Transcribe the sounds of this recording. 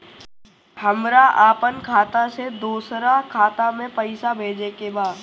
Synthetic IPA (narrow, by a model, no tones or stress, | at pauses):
həmɾaʔaːpənkʰaːt̪ased̪oːsɾakʰaːt̪amẽpəɪsabʱeːd͡ʒekebaːd̪